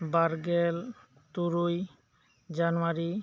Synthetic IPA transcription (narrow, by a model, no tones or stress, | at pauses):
baɾɡel | t̪uɾuj | d͡ʑanuaɾi